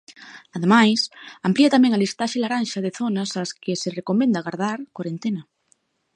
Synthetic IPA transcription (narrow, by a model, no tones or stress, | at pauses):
aðemajsampliat̪amẽŋalist̪aʃelaɾanʃaðeθonasaskeserekomẽnd̪aɣaɾðaɾkwaɾent̪ena